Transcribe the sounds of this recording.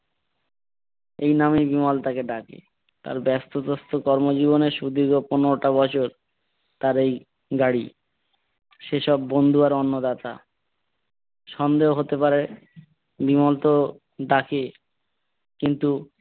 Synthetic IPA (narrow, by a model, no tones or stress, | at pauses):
ejnamibimɔlt̪akeɖakḛ | t̪a̰ɾbɛst̪ot̪ost̪okɔɾmod͡ʑiβoneʃud̪iɡoponeɾoʈabɔt͡ɕʰoɾ | t̪aɾej | ɡaɽi | ʃeʃɔbːond̪ʱuaɾɔnːod̪at̪a̰ | ʃɔnd̪eɦoɦot̪epaɾe | bimɔlt̪o | ɖake | kint̪u